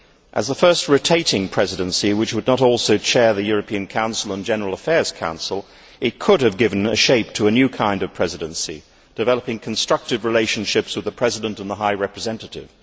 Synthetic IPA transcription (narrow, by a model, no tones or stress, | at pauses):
ʔə̰zðəfɜ˞st̚ɹɨtʰeɪɾɪ̃ŋpʰɹ̥ɛzɨɾɨ̃nsiwɨt͡ʃwɨdⁿnəɾɔlˠsoʊt͡ʃʰɛɹðɨjʊɹɨpʰiɨ̃nkʰãʊ̃nsl̩ˠə̃nd͡ʒɛnə˞l̩ˠəfɛɹz̥kʰã̰ʊ̃nsl̩ˠ | ɨt̚kʰʊɾɨvɡɪṽnɨʃeɪp̚tʰəːnjʉkʰãɪ̃ndʌv̥pʰɹ̥ɛzɨɾɨ̃nsḭ | d̥ɨvɛlˠəpɪ̃ŋkʰn̩stɹ̥ʌk̚tɨvɹileɪʃn̩ʃɪpswɨðəpʰɹ̥ɛzɨɾə̃ntə̃nðəɦaɪɹɛpɹ̥ɨzɛ̃ntɨɾɪ̰v̥